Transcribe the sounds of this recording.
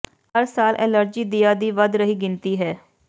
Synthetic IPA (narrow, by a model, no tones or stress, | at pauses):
həɾsaːlʔɛ̰ːləɾd͡ʒiːd̪ɪjaːd̪iːʋəd̪ɾəɦiːɡɪnt̪iːɦɛː